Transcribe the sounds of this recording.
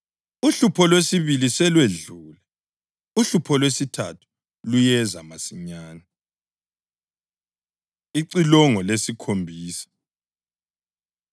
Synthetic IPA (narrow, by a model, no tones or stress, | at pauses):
uɬupʰɔlwesiβilisɛlweɮuːlɛ | uɬupʰɔlwesitʰa̰tʰu̥ | lujɛzamasiɲaːna | iǀilɔŋɔlesikʰombʱiːsḁ